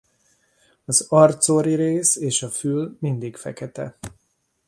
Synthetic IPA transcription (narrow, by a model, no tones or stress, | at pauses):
ɒzɒrt̪soɾiɾeːseːʃɒfylmind̪ikfɛ̰kɛt̪ɛ̰